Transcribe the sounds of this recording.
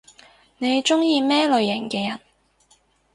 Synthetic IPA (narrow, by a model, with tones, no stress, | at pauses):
ne˨˧jt͡ʃʊ˥ŋjiː˧mɛː˥lɵ˨˧ɥjɪ˨˩ŋkɛː˧jɐ˨˩n